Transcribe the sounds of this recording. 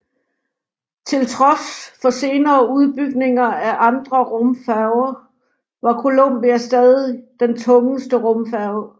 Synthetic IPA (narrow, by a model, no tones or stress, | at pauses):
t͡sʰe̝lt͡sʰʁɒ̽sfɒ̽se̝ːnɐːuð̞ˠb̥yɡ̥ne̝ŋɐæʔɑ̈nd̥ʁɐʁɔ̽mfæʊɐ | ʋɑ̈kʰo̝lom̰b̥iæsd̥ɛːðˠid̥ent͡sʰɔ̽ŋəsd̥əʁɔmfæʊ